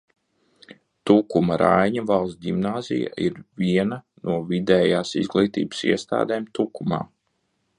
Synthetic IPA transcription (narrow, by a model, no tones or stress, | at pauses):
t̪ukumɐɾajɲavalˠsdʲimnaːzḭja̰iɾviɛna | nuɔvid̪ɛːjaːsḭzɡlˠiːt̪ḭːb̥sḭɛst̪a̰ːd̪ɛːmt̪ukuma̰ː